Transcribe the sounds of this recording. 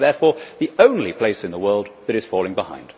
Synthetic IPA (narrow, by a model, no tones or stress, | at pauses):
ðɛɹfɔɹðiõʊ̃nlipʰl̥eɪsɨ̃nðəwɜ˞lˠd̪̚ðɨɾɨz̥fɔlˠɪ̃ŋbɪhã̰ɪ̃nd̥